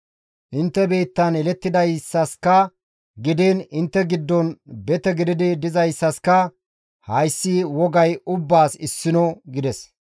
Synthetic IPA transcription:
ʔɪnt̪ːɛbe̞ːt̪ːɐnɛlɛt̪ːɪd̪ɐjsːɐskɐ | ɡɪd̪eːnɪnt̪ːɛɡɪd̪ːɔnbɛt̪ɛɡɪd̪ɪd̪ɪd̪ɪzɐjsːɐskɐ | hɐjsːiwɔɡɐjʊbːaːsɪsːɪnɔɡɪd̪ɛs

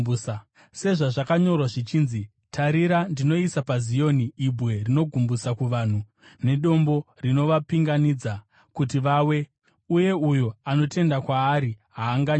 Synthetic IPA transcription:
s | se̞ʐaʐakaɲo̞rwaʐit͡ʃiːnzi | tʰaɾiɾandino̞isapazijo̞niːbʱwe̞rino̞ɡʱumbusakuʋaːn̤u | ne̞ɗo̞mbo̞rino̞ʋapiŋɡanid͡za | kutiʋaːwe̞ | uje̞ujo̞ano̞te̞ndakwaːɾiɦaːŋɡaɲ

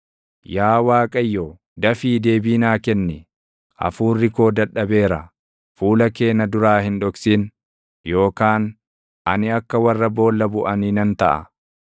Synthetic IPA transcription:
jaːwaːkʼɐjːoː | d̪ɐfiːd̪e̞ːbiːnaːkɛnːɛ | ʔɐ̰fuːrːɪko̞ːd̪ɐᶑːɐbe̞ːɾɐ | fuːlɐke̞ːnɐd̪ʊɾaːhɪnᶑɔksiːn | jo̞ːkaːn | ʔɐnɪɐkːɐwɐrːɐbo̞ːlːɐbʊʔɐniːnɐnt̪ɐʔɐ̰

